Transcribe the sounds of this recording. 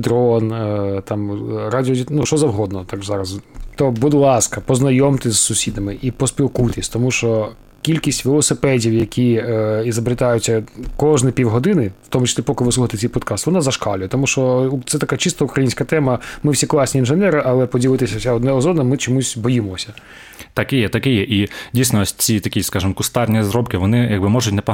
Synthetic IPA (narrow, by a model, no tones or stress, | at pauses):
d̪ɾɔnt̪ɑmradʲɔdʲinuʃt͡ʃɔzɐwɦɔd̪nɔt̪akzɑɾɐzt̪ɔbud̪lˠɑskɐpɔznɐjɔmt̪ɪsʲsʊsʲid̪ɐmɪʔipɔspʲilˠkut̪ɪsʲt̪ɔmuʃt͡ʃɔ | kʲilʲkʲisʲtʲʋelˠɔsɪpɛdʲiwjɐkʲʰiizɐbɾɪt̪ɑjʊt͡sʲːɐkɔʐnɪpʲiwɦɔd̪ɪnɪw̥t̪ɔmʊt͡ʃɐ̥sʲlʲipɔkɪʋɪsluxɐt̪et͡s̪ʲɛjʲpɔd̪kɑst̪ʋɔnazɐʃkɑlʲʊjɛt̪ɔmuʃt͡ʃɔt̪sɛt̪ɐkat͡ʃist̪ɔukɾɐjinʲsʲkɐt̪ɛmɐmɪwsʲiklˠɑsʲnʲiːnʒɛnɛɾɪʔɐlˠɛpɔdʲilˠɪt̪ɪsʲɐwsʲaɔd̪nɛɔzɔnɐmɪt͡ʃɔmusʲbɔjimɔsʲɐ | t̪ɐkɪjɛt̪ɐkɪjɛʔidʲijsʲnɔɔsʲt͡sʲit̪ɐkʲiskɑʒɪmkʊst̪ɑrnʲizɾɔpkɪʋɔnɪjɐɡ̚bɪmɔʒʊtʲnɛpɔ